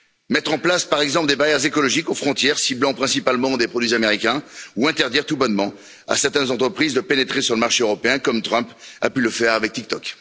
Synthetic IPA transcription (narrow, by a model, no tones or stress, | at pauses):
mɛt̪χɑ̃plaspaʁɛɡzɑ̃pləd̪ebaʁjɛʁzekɔlɔʒikofχɔ̃t̪jɛʁsiblɑ̃pχɛ̃sipalmɑ̃d̪epχɔd̪ɥizameʁikʲɛ̃uɛ̃t̪ɛʁd̪iʁt̪ubɔnmɑ̃ | a̰sɛʁt̪ɛnzɑ̃t̪χəpχizd̪əpenet̪χesyʁləmaʁʃeøʁɔpeɛ̃kɔmt̪χœ̃pa̰pyləfɛʁavɛk̚t̪ik̚t̪ɔk